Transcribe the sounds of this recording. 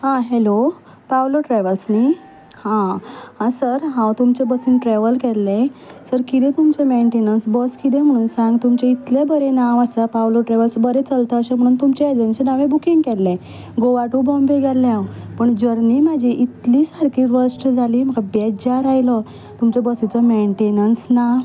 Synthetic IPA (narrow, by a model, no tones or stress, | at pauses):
hãɦelo | pawloʈɾɛʋəlsni | hãhãsəɾɦãwt̪umt͡ɕebəsinʈɾɛʋəlkɛlːesəɾkit̪ɛ̃t̪umt͡ɕemeɳʈenənsbəskid̪ẽm̤əɽ̃uːnsãŋɡt̪umt͡ɕeit̪lebəɾenaʋasəpawloʈɾɛʋəlsbəɾet͡səlt̪əːɕem̤əɽ̃uːnt̪umt͡ɕeed͡ʑənɕinaʋẽbukiŋɡkɛlːẽ | ɡoʋaʈubɔ̃mbeɡalːjãwpəɳd͡ʑəɾnimad͡ʑiʔit̪liːsaɾkiːɾəʂʈd͡zʱaliːm̤əkabɛd͡ʑaɾajlə | t̪umt͡ɕebəsit͡səmeɳʈenənsna